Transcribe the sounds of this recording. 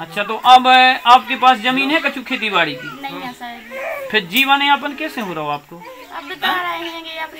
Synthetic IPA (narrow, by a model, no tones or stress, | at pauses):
ətːʃʰaːt̪oːʔəbaːp̚keːpaːszəmiːnɦɛːkət͡ʃʰũːkʰeːt̪̬iːbaːɽiːt̪iː | pʰɪɾd͡ʒiːʋənẽːaːp̬ənkɛːsẽːɦoːɾəɦoːaːp̚koː